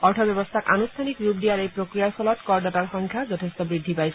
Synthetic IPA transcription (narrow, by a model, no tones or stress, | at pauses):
ɔɾʈʰɔbɔbɔst̪ʰakʔa̰nust̪ʰanikɾupɖijaɾejpɾokɾijaɾpʰɔlɔt̪kɔɾɖataɾxɔŋkʰjad͡ʒɔt̪ʰest̪ɔbɾid̪ʱːipajsʰ